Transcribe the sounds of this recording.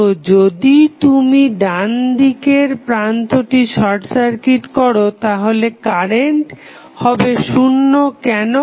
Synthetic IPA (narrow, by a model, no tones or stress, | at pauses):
od͡ʑod̪it̪umiɖand̪ikeɾpɾant̪oʈiʃɔɾʈsaɾkiʈkɔɾot̪aɦolekaɾeɳʈ | hɔbeʃunːokɛno